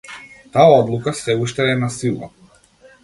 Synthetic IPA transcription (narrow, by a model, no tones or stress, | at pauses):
t̪aaɔd̪lˠukasɛuʃt̪ɛːnasilˠa̰